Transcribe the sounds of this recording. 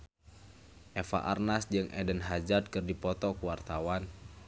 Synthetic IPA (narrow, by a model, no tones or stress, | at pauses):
ʔɛfa̰ʔarnasd͡ʒɨŋʔɛ̰dənɦad͡ʒat̪̚kɨrdipɔt̪ɔkuwart̪awan